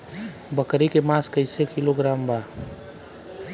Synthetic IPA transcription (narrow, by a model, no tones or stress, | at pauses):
bəkɾikemaskəɪsekɪloɡɾaːmba